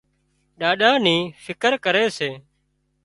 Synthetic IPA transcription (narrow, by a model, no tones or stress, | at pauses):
ɗaːɗãːnĩːfɪkəɾkəɾeːseː